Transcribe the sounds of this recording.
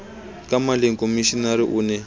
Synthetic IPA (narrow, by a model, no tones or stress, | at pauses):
kamaleŋkomiʃinaɾiʔuːnɛ